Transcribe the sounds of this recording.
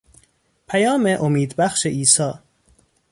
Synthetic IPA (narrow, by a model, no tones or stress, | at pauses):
pʰæjɒːmeʔomiːd̪bæxʃeʔiːsɒː